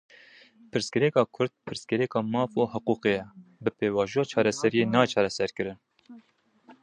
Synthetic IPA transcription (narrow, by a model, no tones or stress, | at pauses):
pʰɨɾskɛɾɛkɑːkʰʊɾd̪̚pʰɨɾskɛɾɛkɑːmɑːfoːhʊquːqejɛbɨpeːwɑːʒuɑːt͡ʃʰɑːɾɛsɛɾijeːnɑːt͡ʃʰɑːɾɛsɛɾkɨɾɨn